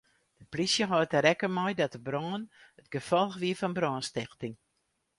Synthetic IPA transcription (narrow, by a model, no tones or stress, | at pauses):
d̥əplisjəɦɔtəɾɛkəmɔjdɔtəbɾɔːənətɡəfɔlˠxʋiəfɔnbrɔːnstɪxtɪŋ